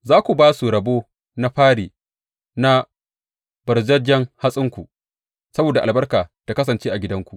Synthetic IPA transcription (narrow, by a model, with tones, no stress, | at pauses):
zaː˦kʷu˨baː˦su˨ɾɐ˨boː˦ | na˦ɸaː˦ɽiː˨ | na˦ | b̥ɐ˨ɾd͡ʒɐ˦d͡ʒɐ˦ŋha˦sʼɪ˦ŋkʷu˨ | sɐ˦boː˨da˨ʔa˨bɐ˦rkaː˨ta˨kɐ˦s̬ɐ˨nt͡ʃeː˦ʔa˨ɡʲɪ˦dɐ˦ŋkʷu˨ʔ